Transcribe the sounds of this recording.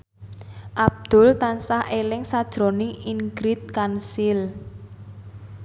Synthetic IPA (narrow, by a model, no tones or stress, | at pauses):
ʔab̚d̪̥ʊ̤lt̪ansahʔelɪŋsad̥ʒ̥ɾo̤nɪŋiŋɡɾɪt̪̚kansɪl